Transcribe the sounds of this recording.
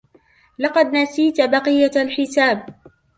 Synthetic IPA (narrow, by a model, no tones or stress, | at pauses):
lɑqɑd̪nasiːt̪bɑqɨjːalħɪsaːb̚